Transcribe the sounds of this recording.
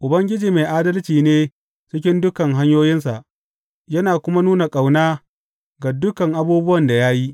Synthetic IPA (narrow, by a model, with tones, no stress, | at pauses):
ʔʊ˨bɐ˦ŋɡʲɪ˦d͡ʒiː˨meː˨jʔaː˦dɐ˦lt͡ʃiː˨neː˦ | t͡ʃɪ˦k̬ʲɪ˦ndʊ˦kɐ˨ŋɦa˦ɲjoː˦jɪ˦nsa˨ʔ | jɐ˦naː˨kʷʊ˦ma˦nuː˦na˨kʼa˨wnaː˦ | ɡa˨dʊ˦kɐ˨ŋʔa˦buː˦bʊ˦wɐ˨nda˨ja˦ji˦ʔ